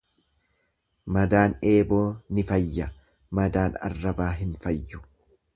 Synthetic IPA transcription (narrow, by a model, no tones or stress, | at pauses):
mɐd̪aːne̞ːbo̞ːnɪfɐjːɐ | mɐd̪aːnɐ̰rːɐbaːɦɪnfɐjːʊ̥